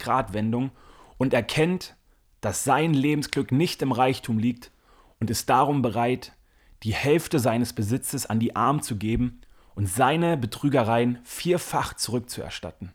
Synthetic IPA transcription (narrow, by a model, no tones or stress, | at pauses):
ɡ̥ʁaːtv̥ɛndʊŋ | ʔʊntɛɐkʰɛnt | d̥asz̥aɪnleːbm̩sɡ̥lʏknɪçtɪmʁaɪçtʰuːmliːk̚t | ʊntɪst̚d̥aʁʊmbəʁaɪt | d̥iːhɛlftəzaɪnəsb̥əzɪt͡səsa̰ndiːʔaɐmt͡suɡeːbm̩ | ʔʊntz̥aɪnəbətʁ̥yːɡɐʁaɪənfiːɐfaχt͡suʁʏk̚t͡suɛ̰ɐʃta̰tn̩